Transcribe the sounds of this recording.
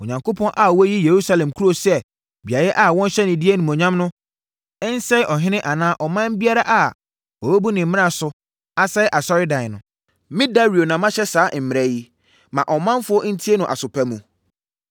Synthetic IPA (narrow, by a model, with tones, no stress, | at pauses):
o˨ɲã˨ŋkʰo˦pʰɔ̃˦nʔa˨wɔ˦ji˦je˨ɾu˦sa˦lɛ̃˨mkʰu˦ɾo˨sɛ˦˨ | bi˨a˨jɛ˦ʔa˨wɔ̃˦n˦ɕɛ˦nɪ̃˨di˦e˦nũ˨mɔ̃˨ɲã˦mnʊ̃˦ | ɛ˦n˦sɛ˦ʔɔ˨ɦɪ̃˦nɪ̃˦ʔa˨nãː˦ʔɔ˨mã˦m˦bi˦a˦ɾa˦ʔa˨ | wɔ˨be˦bu˦nɪ̃˨m̩˦mɪ̃˦a˨sʊ˨ | a˦sɛ˦ɪ˦ʔa˨sɔ˦ɾɪ˦dã˨nʊ̃˨ | mɪ̃˦da˦ɾi˨o˨nã˨mã˦ɕɛ˦saː˨˦m̩˨mɪ˨ɾɛ˦ji˦ | mã˨ʔɔ˨mã˦nfʊ˦ɔ˦n̩˦tʰi˦e˦nʊ̃˨ʔa̰˨sʊ˨pʰæ˦mũ˨